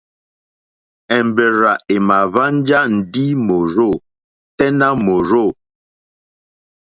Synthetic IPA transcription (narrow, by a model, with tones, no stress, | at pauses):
ɛ˨mbe˨ɾa˨e˨ma˨va˦n˦d͡ʒa˦n̩˨di˦mo˨ɾo˦˨ | tɛ˦na˦mo˨ɾo˦˨